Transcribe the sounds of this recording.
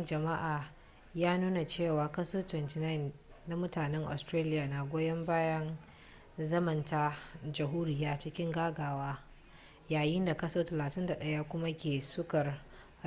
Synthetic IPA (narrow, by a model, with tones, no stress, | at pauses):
d͡ʒɐ˨ma˦ʔaː˨ | jaː˦nuː˦na˨t͡ʃeː˦˨waː˨kɐ˦soː˦twɛ˨nti˨na˦ɪ˨nː | a˨mʊ˦taː˨nɛ˦ŋʔa̰˨stɾaː˦lɪ˦jaː˨na˨ɡʷoː˦jɐ˦mbaː˦jɐ˦n | zɐ˦mɐ˨nta˦d͡ʒɐ˨ɦuː˦ɾɪ˦jaː˦t͡ʃɪ˦kʲɪ˦ŋɡaː˦ɡaː˨waː˦ | jaː˨jɪ˦nda˨kɐ˦soː˦tɐ˨laː˨tɪ˦nda˨ɗɐ˦ja˦kʷʊ˦ma˦kʲeː˨sʊ˦kɐ˨r